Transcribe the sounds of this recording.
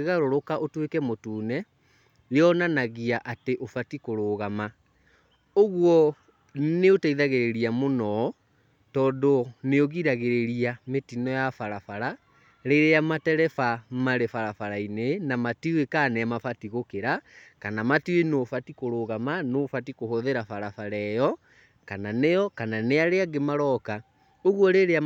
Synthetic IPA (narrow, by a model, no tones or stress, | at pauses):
eɣaɾoɾokaʔotwekɛmotuːnɛ | ɾeɔnanaɣiaʔateʔofatikoɾoːɣama | oɣwɔ | neotaiðaɣeɾeɾiamonɔ | tɔːndoneoɣiɾaɣeɾeɾiametinɔjafaɾafaɾa | ɾeɾeamatɛɾɛfamaɾefaɾafaɾainenamatiwekaːnɛamafatiɣokeɾakanamatiwenoːfatikoɾoːɣamanofatikohoðeɾafaɾafaɾɛjɔ | kananejɔkananeaɾeaɡemaɾɔka | oɣwɔɾeɾea